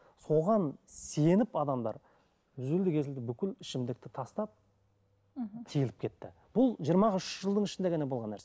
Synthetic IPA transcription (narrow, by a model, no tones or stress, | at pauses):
so̞ʁɑnse̞nɪpɑd̪ɑmd̪ɑ̰ɾ | ʏzeld̪ɪkʲʰe̞zɪld̪ɪbʏkʲɪlɪʃɪmd̪ɪk̚t̪ɪt̪ʰɑst̪ɑp̚ | t̪ʰijɪlɪp̚kʰʲe̞t̪ːɪ̰ | b̥ʊlˠʒijəɾmɑʁəʏʃʒəlˠd̪əɴɪʃɪnd̪eɡʲænebo̞lˠʁɑnːæɾse